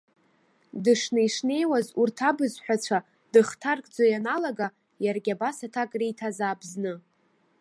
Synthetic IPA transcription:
dɨʂnejʂne̞jwazurtʰabɨzħʷᶣat͡ɕʷʰa | d̥ɨχtʰarkʼd͡zojanalaɡa | jarɡʲabasatʰakʼrejtʰazaːbznɨ

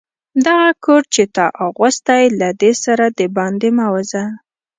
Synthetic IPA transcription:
d̪aɣakʰoɾt͡ʃet̪ɑʔaɣʊst̪ajlad̪esaɾad̪əbɑnd̪emawaza

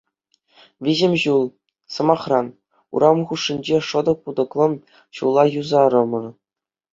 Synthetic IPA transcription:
ʋʲiʑɘ̆mʲʑulˠ | sɤ̆mɑχrɑn | ṵɾɑmχuʂːinʲd͡ʑeʂɤ̆d̪ɤ̆k̚pud̪ɤ̆klˠɤ̆m | ɕulˠːɑjuzɑɾɤ̆mɤ̆r

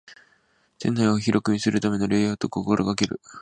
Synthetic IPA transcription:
t̪ẽ̞̰nːaioçiɾo̞kɯ̟ɲ̟isɨɾɯ̟t̪ame̞no̞ɾejat̪o̞ko̞ko̞ɾoɡakeɾɯ̟

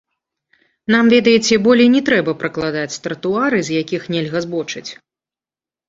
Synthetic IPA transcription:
namvʲɛd̪ɐjɛt͡sʲɛbɔlʲɛjnʲɛt̪ɾɛbɐpɾɐklˠad̪at͡sʲst̪ɾɐt̪uaɾɨzʲjakʲixnʲɛlʲɣɐzbɔt͡ʂɨt͡sʲ

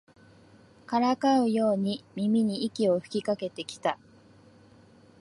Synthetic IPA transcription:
kaɾakaɯ̟jo̞ːɲ̟imʲimʲiɲ̟iːkʲio̞ɸɯ̟̥kʲikake̞t̪e̞kʲi̥t̪a

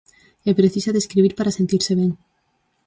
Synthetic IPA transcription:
epɾeθisaðeskɾiβ̞iɾpaɾase̞nt̪iɾseβ̞jeŋ

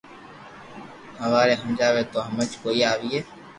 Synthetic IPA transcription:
həʋaːɾeːɦəmd͡ʒaːʋeːt̪oːɦəmət͡ʃkoːiaːʋiːeː

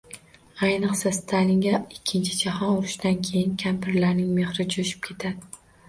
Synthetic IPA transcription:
ajnɨqsasɪ̥t̪ʰalɪŋʲaɪkʲʰːɪnt͡ʃʰɪd͡ʒahɒnʊɾɪʃd̪ankʲʰe̞jɪnkʲʰampʰɪɾlaɾnɪŋme̞hɾɪd͡ʒʰʊʃɪ̥p̚kʲʰe̞t̪ʰad̪ɪ

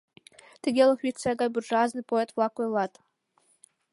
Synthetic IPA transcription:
t̪ʲɘ̆ɡʲelʲˠɤ̆xʋʲit͡sæɡɑjbʲurʐɑznɨjpoet̪vlˠɑkojlˠɑt̪

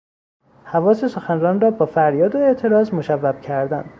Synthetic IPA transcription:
hævɒːse̞so̞xænrɒːnrɒːbɒːfæɾjɒːd̪oe̞ʔt̪ʰe̞ɾɒːzmoʃævːæb̥cʰæɾd̪æ̰nd̪̥

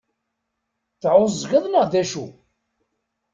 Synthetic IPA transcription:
θʕʊzːʝəðˤnəʁðæʃu

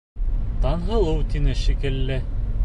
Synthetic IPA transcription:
t̪ɑnɦɤ̆lˠɤwt̪inɘʃikɘ̆lːɘ

